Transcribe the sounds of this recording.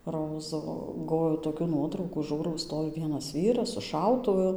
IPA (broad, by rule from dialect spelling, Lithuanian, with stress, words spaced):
ˈroːzʊ ˈɡoːʋʲɛʊ toːˈkʲuː ˈnuɔtrɐʊkuː ˈʒuːrɐʊ ˈstoːʋʲɪ ˈʋʲiɛnɐs ˈʋʲiːrɐs sʊ ˈʃɐʊtʊʋʊ